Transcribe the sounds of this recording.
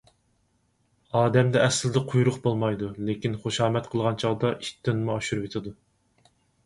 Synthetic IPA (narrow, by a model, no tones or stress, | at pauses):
ɑːd̪ɛmd̪ɛɛsld̪ɛqʰujuɾʊqbolˠmɑjd̪ulekʲinχoʃɑːmɛt̪qʰəlˠʁɑnt͡ʃʰɑʁd̪ɑʔiʃt̪ːɪnmuɑʃuɾuet̪ʰɪd̪u